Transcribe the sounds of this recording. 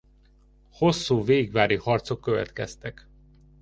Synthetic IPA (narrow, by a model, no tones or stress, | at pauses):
ho̞sːuːveːɡʋaːɾihɒrt̪so̞kːøvɛ̰t̪kɛst̪ɛk